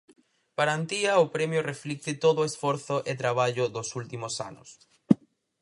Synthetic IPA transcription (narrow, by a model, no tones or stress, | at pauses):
paɾant̪iɐʊpɾɛmjʊreflik̚t̪ɪt̪oðʊesfoɾθʊʔet̪ɾaβ̞aʎʊðʊsult̪imʊsa̰nʊ̰s